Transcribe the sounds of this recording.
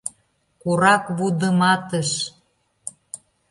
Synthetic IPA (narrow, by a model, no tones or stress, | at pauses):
kuɾɑkβud̪əmɑt̪əʃ